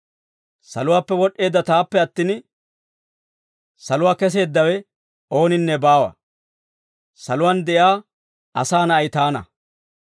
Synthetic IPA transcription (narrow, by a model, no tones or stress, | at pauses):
sɐ̰lʊwaːpːɛwɔɗːe̞ːd̪ːɐt̪aːpːɛɐt̪ːɪn | sɐlʊwaːkɛs̬e̞ːd̪ːɐwɛ | o̞ːnɪnːɛbaːwɐ̰ | sɐlʊwand̪ɛʔjaː | ɐsaːnɐɐjt̪aːnɐ̰